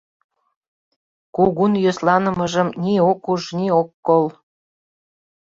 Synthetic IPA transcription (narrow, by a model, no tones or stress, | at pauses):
kuɣunjøslɑnə̆məʒəmniokuʒniokːol